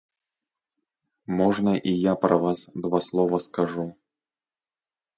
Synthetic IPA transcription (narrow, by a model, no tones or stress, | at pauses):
mɔʐnɐʔijapɾɐvasd̪vaslˠɔvɐskaʐu